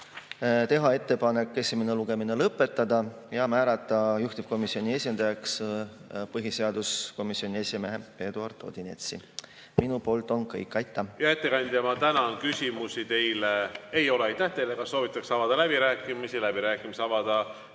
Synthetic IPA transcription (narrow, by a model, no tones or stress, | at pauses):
t̪e̞ɦɑe̞t̪ːe̞pɑne̞kːˑe̞simeneluɡ̥e̞mine̞lɤpːˑe̞t̪ːˑɑd̪̥ɑ | jɑmæːɾɑt̪ːˑɑjuht̪ib̥ko̞misio̞nʲie̞sʲind̪̥ɑjɑks | pɤɦise̞ɑd̪̥usko̞misio̞nʲie̞sime̞ɦe̞pe̞ːd̪uɑrd̪̥o̞̰d̪̥ine̞̰t̪sḭ | minupo̞ːlt̪ːˑo̞nkɤ̰jkˑːɑjt̪ːˑɑjɑe̞t̪ːekɑnʲd̪ʲemɑt̪ænɑnkysʲimusit̪e̞jleejo̞leɑjt̪ːæht̪ejlekɑso̞ːvit̪ːˑɑksɑvɑd̪̥ɑlæbiɾæːkˑːimisilæbiɾæːkːˑimiseɑvɑd̪̥ɑ